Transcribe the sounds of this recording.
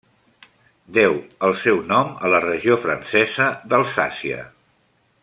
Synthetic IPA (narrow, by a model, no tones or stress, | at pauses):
d̪ɛwəlˠsɛwnɔmələrəʒiofɾənsɛzəðəlˠsa̰siə̰